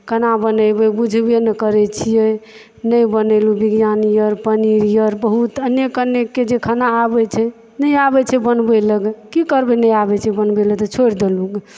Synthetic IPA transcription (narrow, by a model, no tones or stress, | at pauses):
kʰənabənəbəbud͡ʒʱbjenəkəɾɛt͡ʃʰijɛ | nəjbənəlubiɡjanijəɾpəniɾijəɾbəɦut̪ənjekəneked͡ʒekʰənaːbɛt͡ʃʰɛ | nəjabɛt͡ʃʰɛbənbɛləɡkikəɾbɛnəjabɛt͡ʃʰɛbənbelət̪ɔt͡ʃʰoɾd̪eluɡ